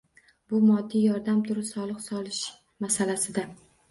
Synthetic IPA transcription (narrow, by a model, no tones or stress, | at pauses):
bʊmɒd̪ːijɒɾd̪amt̪ʰʊɾɪsɒlˠɨqsɒlˠɪʃ | masalasɪd̪a